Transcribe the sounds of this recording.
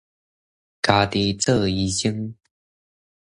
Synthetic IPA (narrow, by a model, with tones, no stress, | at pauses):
ka˨˩t̪i˨˩˦t͡sɤ˥˧i˧˩ɕi˥ŋ